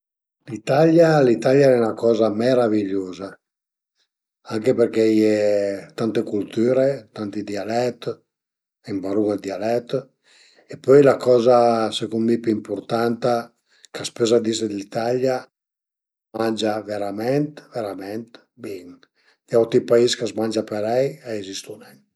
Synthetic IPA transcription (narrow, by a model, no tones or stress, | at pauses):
lit̪aʎjalit̪aʎjaɛunakɔːzameɾaviʎːoːza | aŋkeperkejɛt̪ant̪ekult̪yːɾet̪ant̪id̪ialɛt̪ | imbaɾuŋed̪ialɛt̪ː | epɔjlakɔːzasekunmipyimpuɾt̪ant̪a | kaspezad̪ised̪it̪alja | mand͡ʒaveɾamɛnt̪veɾamɛnt̪ | biŋ | d̪̥jawt̪ipaiskazmand͡ʒapeɾɛjeezist̪unɛn